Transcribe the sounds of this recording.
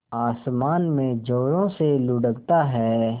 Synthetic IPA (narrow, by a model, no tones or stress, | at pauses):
aːsmaːnmẽd͡ʒoːɽõselʊɖəɡt̪aɦɛː